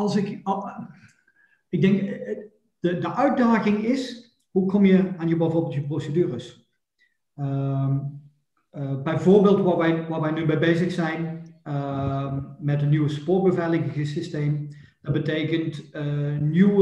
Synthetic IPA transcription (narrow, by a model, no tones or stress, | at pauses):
ɑlˠsɪk | ɪɡ̚dɛŋk | ədəʔœɥt̚daːɣɪŋɪs | ɦukɔmjəaːnjəbɛjvʊːɹbeːlˠtjəprosədyːrəs | bɛjvoːɹbeːlˠtʋaːʋɛjʋaːɹʋɛjnybɛjbejzəxsɛjn | mɛtənyʋəspʊːt̚bəvɛlɪɣɪɣəsistejm | d̥ɑbətejkəntənyw